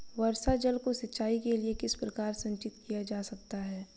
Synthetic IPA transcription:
ʋɐɾsad͡ʒɐlkosɐtːʃaːikeliekɪspɾɐkaːɾsɐ̃ɲt͡ʃɪt̪̚kijad͡ʒaːsɐk̚t̪aɦɛː

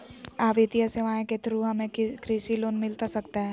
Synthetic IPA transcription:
aːʋit̪ijəseʋãːẽket̪ɾuɦɐmẽkɾiːʃiloːnmɪlt̪asɐkt̪aɦɛː

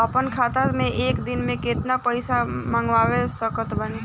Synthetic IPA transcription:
ɐpənkʰaːt̪aɾmẽʔeːkd̪ɪnmẽkɪt̪napəɪsamãŋɡʋaːʋesəkət̪bəne

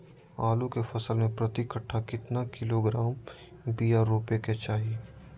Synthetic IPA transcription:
aːlukefɐsəlmẽpɾɐt̪ikəʈʰːakɪt̪nakɪloɡɾaːm | bijaɾoːpeket͡ʃaːɦie

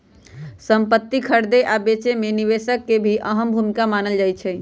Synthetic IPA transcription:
səmpət̪ːikʰəɾd̪eʔabet͡ʃemeniβesəkːebʱiʔəɦəmbʱumikamanəld͡ʒajt͡ʃʰɛ

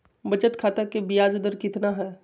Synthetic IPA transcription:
bɐt͡ʃət̪kʰaːt̪akebijaːd͡ʒʊd̪əɾkɪt̪naɦɛː

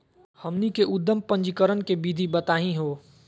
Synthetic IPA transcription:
həmnikeʔʊd̪ːəmpə̃ɲd͡ʒkəɾənkebid̪ʱibət̪aːɦĩɦoː

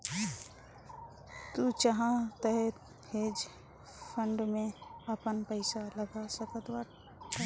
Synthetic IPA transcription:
t̪ut͡ʃəɦãt̪əɦe | heːd͡ʒ | pʰə̃ɳɖmẽəpənpəɪsaləɡasəkət̪waʈ

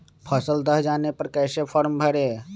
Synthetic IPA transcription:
pʰəsəld̪əɦd͡ʒaːnepəɾkɛːsepʰɔɾmbʱəɾe

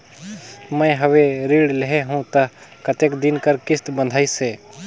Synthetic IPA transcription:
mə̃ɦəweɾiːɽleɦeɦũt̪əɦkət̪eːkd̪ɪnkəɾkɪst̪bə̃nd̪ʱaːiseː

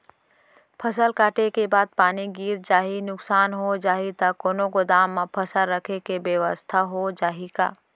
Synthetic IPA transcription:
pʰəsəlkaːʈekebaːd̪̚paːniɡiːɾd͡ʒaːɦinʊksaːnɦod͡ʒaːɦit̪akoːnõkod̪aːmːãpʰəsəlɾəkʰekebjeʋəst̪ʰaɦod͡ʒaːɦika̰ː

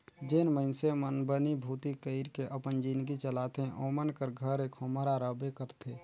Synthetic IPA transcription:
d͡ʒeːnməɪnsemənbənibʱuːt̪ikəɪɾkeʔəpənd͡ʒiːnɡit͡ʃəlaːt̪eʔomənkəɾɡʱəɾekʰoməɾaɾəbekəɾt̪ʰe

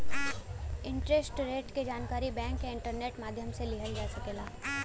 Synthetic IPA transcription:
ɪ̃ɳʈɾesʈɾeːʈked͡ʒaːnkaːɾibɛ̃ːŋkːeɪ̃ɳʈəɾneːʈmaːd̪ʱjəmselɪɦəlid͡ʒaːsɐkeːlaː

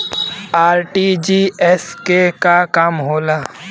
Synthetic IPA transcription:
aːɾʈid͡ʒiɛskekakaːmɦoːlaː

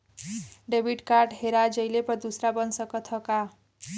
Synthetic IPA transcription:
ɖebʱiʈkarʈɦeɾad͡zʌjlepʌd̪usɾabʌnsʌkʌt̪ʰʌka

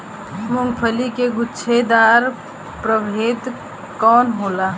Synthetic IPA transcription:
mʊŋɡpʰəlikeɡʊːt͡ʃʰed̪aːɾ | pɾəbʱeːd̪ | kɔːnɦoːlaː

